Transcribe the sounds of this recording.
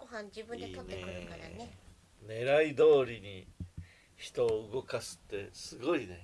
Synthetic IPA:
ɡ̥oɦãɲd͡ʑibɯ̟net̪otneekɯɾɯkaa̰e | ne̞ɾaid̪o̞ːɾʲiɲ̟i | çi̥t̪o̞ːɯɡo̞kasɨ̥t̪ːe̞sɨɡo̞ine

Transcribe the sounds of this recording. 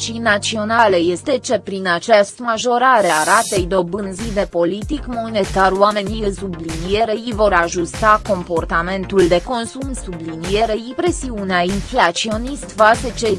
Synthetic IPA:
t͡ʃijnat̪sio̞nale̞je̞st̪e̞t͡ʃe̞pɾinat͡ʃest̪maʒo̞ɾaɾe̞aɾat̪ejd̪o̞bɨnzid̪e̞po̞lit̪ikmo̞ne̞t̪aɾwame̞nijəsublinije̞ɾeivo̞ɾaʒust̪ako̞mpo̞rt̪ame̞nt̪uld̪e̞ko̞nsumsublinije̞ɾeipɾe̞siuneainflat̪sio̞nist̪vaset͡ʃe

